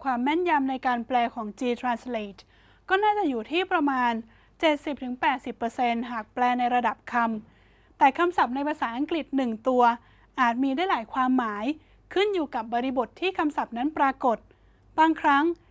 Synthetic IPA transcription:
kʰwaː˧mːɛ˥˩nja˧mna˧jkaː˧nplɛː˧kʰɔː˩˦ŋt͡ɕiː˧t̪ʰɾaː˧nsleː˨˩t̪̚ | kɔː˥˩naː˥˩t͡ɕa˨˩ʔ̚juː˨˩t̪ʰiː˥˩pɾa˧maː˧n | t͡ɕe˨˩t̪̚si˨˩p̚t̪ʰɯ˩˦ŋpɛː˨˩t̪̚si˨˩pːɤː˧se˧nɦaː˨˩k̚plɛː˧na˧jɾa˧da˨˩p̚kʰa˧m | t̪ɛː˨˩kʰa˧msa˨˩p̚na˧jpʰa˧nsaː˩˦nʔa˧ŋkli˨˩t̪̚nɯ˨˩ŋt̪u˧ɐ | ʔaː˨˩t̪̚miː˧daː˥˩jlaː˩˦jkʰwaː˧mːaː˩˦j | kʰɯ˥˩njuː˨˩ka˨˩p̚bɔː˧ɾi˦˧bo˨˩t̪ʰːiː˥˩kʰa˧msa˨˩p̚na˦˥npɾaː˧ko˨˩t̪̚ | baː˧ŋkʰɾa˦˥ŋ

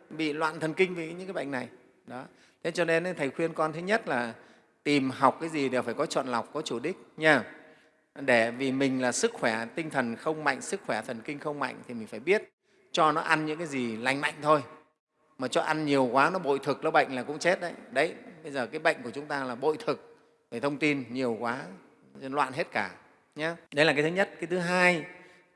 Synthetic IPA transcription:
ɓḭ˧˨lwa̰ː˧˨nt̪ʰə˨˩nkï˧ŋ̟vi˨˩˨ɲɨ̰˧˥ŋkaː˨˦ɓə̰˧˨jŋna˨˩j | ɗɔ˨˦ | t͡ɕe˧˦t͡ɕɔ˧ne˧n˨˦t̪ʰa˨˩jxwi˧ənkɔ˧nt̪ʰɨ˨˦ɲə˦˥t̚laː˨˩ | t̪i˨˩mɦa˨˩wk͡p̚kːaː˨˦jzi˨˩ɗe˨˩wfaː˧˩jkɔ˨˦t͡ɕɔ̰˧˨nla˨˩wk͡p̚kɔ˨˦t͡ɕu˧˩ɗï˦˥k̚ɲaː˧ | ɗe˧˩vi˨˩mï˨˩ŋ̟laː˨˩sɨ˦˥k̚xwɛ˧˩t̪ï˧ŋ̟t̪ʰə˨˩nxə˧wŋ͡mma̰˧˨jŋ̟sɨ˦˥k̚xwɛ˧˩t̪ʰə˨˩nkï˧ŋ̟xə˧wŋ͡mma̰˧˨jŋ̟t̪ʰi˨˩mï˨˩ŋ̟faː˧˩jɓi˦˥ət̚ | t͡ɕɔ˧nɔ˨˦ʔa˧nɲɨ̰˧˥ŋkaː˨˦jzi˨˩la˨˩jŋ̟ma̰˧˨jŋ̟t̪ʰo˧j | maː˨˩t͡ɕɔ˧ʔa˧nɲi˨˩əwkwaː˨˦nɔ˨˦ɓo̰˧˨jt̪ʰɨ˨˩k̚lə˨˦wɓə̰˧˨jŋ̟laː˨˩kʊ̰˧˥ŋ͡mt͡ɕe˦˥t̚ɗə̰˨˦jɗə˨˦jɓə˧jzəː˨˩kaː˨˦jɓə̰˧˨jŋ̟ku˧˩ət͡ɕʊ˨˦ŋ͡mt̪aː˧laː˨˩ɓo̰˧˨jt̪ʰɨ˨˩k̚ | ve˨˩t̪ʰə˧wŋ͡mt̪i˧nɲi˨˩əwkwaː˨˦ | lwa̰ː˧˨nɦe˦˥t̚kaː˧˩ | ɲa˨˦ɗə˨˦jlaː˨˩kːa˨˦t̪ʰɲə˦˥t̚kaː˨˦jt̪ʰɨ˨˦ɦaː˧j

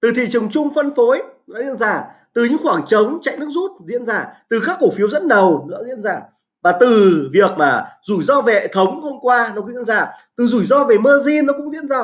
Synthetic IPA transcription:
t̪ɨ˨˩t̪ʰḭ˧˨t͡ɕɨ˨˩əŋt͡ɕʊ˧ŋ͡mfə˧nfo˨˦jnɔ̰˨˦zḭ˧ənzaː˨˩ | t̪ɨ˨˩ɲɨ̰˧˥ŋxwaː˧˩ŋt͡ɕə˨˦wŋ͡mt͡ɕa̰˧˨ŋ̟nɨ̰˧˥k̚zu˦˥t̚zḭ˧˥ənzaː˧˩t̪ɨ˨˩kaː˦˥kːo˧˩fi˨˦əwzə̰˦˥t̚ɗə˨˩wnɨ̰˧˥˦zḭ˧˥ənzaː˧˨˩ | vaː˨˩t̪ɨ˨˩vi˨˩ək̚maː˨˩zu˧˩jzɔ˧vɛ˨˩˨t̪ʰə˨˦wŋ͡mho˧mkwaː˧nɔ˨˦kːzḭ˧ənzaː˨˩t̪ɨ˨˩zu˧˩jzɔ˧ve˨˩məː˧zi˧nːɔ˨˦kʊ̰˧˥ŋ͡mzḭ˧˥ənzaː˧˩

